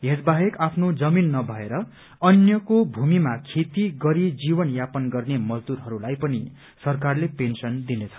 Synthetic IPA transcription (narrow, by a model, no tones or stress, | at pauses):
ɦed͡zbaɦekapʰnod͡zʌminːʌbʱʌeɾʌ | ʌnjʌkobʱumimakʰet̪iɡʌɾid͡zibʌnjapʌnɡʌrnemʌzd̪uɾɦʌɾulajpʌnḭ | sʌrkarlepensʌnd̪inet͡sʰʌ̥